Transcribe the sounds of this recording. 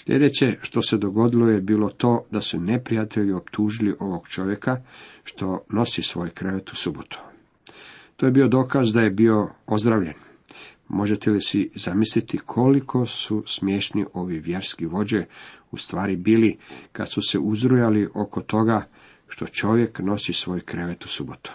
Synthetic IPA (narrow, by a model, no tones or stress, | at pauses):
sʎʲḛd̪et͡ɕe̞ʃt̪o̞se̞d̪o̞ɡo̞d̪ilo̞jebiːlot̪o̞ːd̪asune̞pɾijat̪e̞ʎiopt̪ʰuːʒiliʔo̞ʋoɡt͡ʃo̞ʋje̞kaʃt̪o̞no̞sisʋo̞ːjkɾʋet̪u̥subot̪u̥ | t̪oje̞biːo̞d̪o̞ːkazd̪aje̞bio̞o̞zd̪ɾaʋʎḛn | mo̞ʒe̞t̪elisizamislit̪ikʰo̞likʰo̞susmje̞ːʃnḭʔo̞ʋiʋje̞ɾskiʋo̞d͡ʑeust̪ʋaːɾibiːlika̰d̪̥suseʔuzɾujaliʔo̞kot̪o̞ɡa | ʃt̪o̞t͡ʃo̞ʋje̞kno̞sisʋo̞ːjkɾeʋet̪u̥subot̪u̥